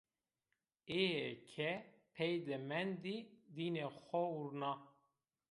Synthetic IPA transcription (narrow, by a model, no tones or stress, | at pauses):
eɛkʰɛpʰɛjd̪ɛmɛnd̪id̪iːnexʷɛuɾnɑ